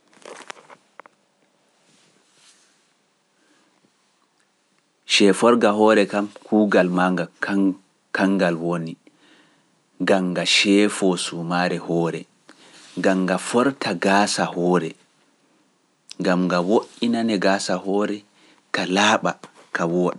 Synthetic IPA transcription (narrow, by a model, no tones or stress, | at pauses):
ʃɛːfɔɾɡaɦɔɾɛkamkʰuːɡalmaŋɡa | kaŋɡalwoni | ɡaŋɡaʃɛːfɔsumaɾɛhɔːɾɛ | ɡaŋɡafɔɾtʰaɡaːsahɔːɾɛ | ŋɡamŋɡawoʔinanɛɡaːsaɦɔːɾɛ | kalaːɓa | kawɔɗɛ